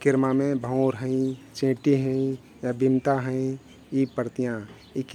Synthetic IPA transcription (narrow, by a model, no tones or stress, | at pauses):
kɪɾmamẽbʱə̃ɾɦə̃ĩt͡ʃẽːʈiɦə̃ĩ | jabimt̪aɦə̃ĩ | ipəɾt̪ijã | ik